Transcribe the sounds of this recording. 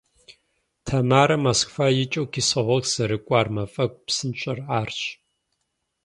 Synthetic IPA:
tʰɐmaːɾɐmɐskʷfaːjɪt͡ʃʼowkʰisɐʁʷɔkz̥ɐɾɨkʷʼaːrmɐfʼɐk̚ʷʼpsɨnɕʼɐraːrt͡ʃʼ

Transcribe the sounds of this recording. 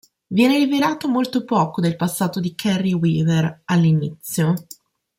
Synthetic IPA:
vjɛːneɾiveɾaːt̪omolt̪opɔːkod̪elpasːaːt̪od̪ikʰɛrːiwiːveralːinit̪sːjo

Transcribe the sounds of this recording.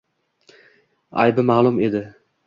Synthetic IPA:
a̰jbɪmaːlˠʊme̞d̪ɪ

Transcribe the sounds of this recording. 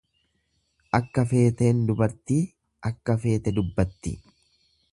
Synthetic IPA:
ʔɐkːɐfe̞ːt̪e̞ːnd̪ʊbɐɾt̪iː | ʔɐkːɐfe̞ːt̪ɛd̪ʊbːɐt̪ːɪ

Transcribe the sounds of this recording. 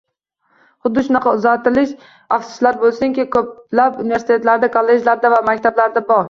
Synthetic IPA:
χʊd̪ːɪʃʊnɑqʰɑʊzat̪ɪlɪʃ | aft̪sɪ̥slaɾbolˠsɪŋkʲɪkʰɵp̚lapʊnɪve̞ɾsɪt̪ʰe̞t̪laɾd̪akʰolːeʒlaɾd̪avamakʲt̪ʰablaɾd̪abɒɾ

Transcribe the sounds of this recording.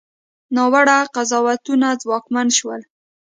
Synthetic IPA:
nɑwaɽaqazɑwat̪unad͡zwɑkmanʃwəl

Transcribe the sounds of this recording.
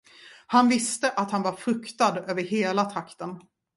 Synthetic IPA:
hanvɪst̪əʔat̪hanvaɾfɾɵkt̪ad̪øːvəɾɦeːlat̪ʰɾakt̪ən

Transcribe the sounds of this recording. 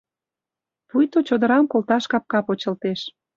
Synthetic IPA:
pujt̪ot͡ɕod̪ə̆ɾɑmkolt̪ɑʃkɑp̚kɑpot͡ɕə̆lt̪eʃ

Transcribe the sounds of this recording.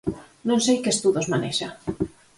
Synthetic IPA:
nõnsejkest̪uðozmaneʃa

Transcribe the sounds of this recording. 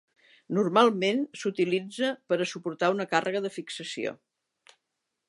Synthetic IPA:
nurmalˠmensut̪ilid͡zəpəɾəsupuɾt̪aunəkarʔəɣəðəfiksəsio̰

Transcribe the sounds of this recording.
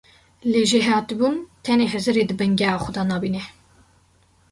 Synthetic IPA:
leːʒeɦɑːt̪ibuːnt̪ʰɛneːɦɛzɨɾeːd̪ɨbɛŋɡɛɑːxʷʊd̪ɑːnɑːbiːnɛ

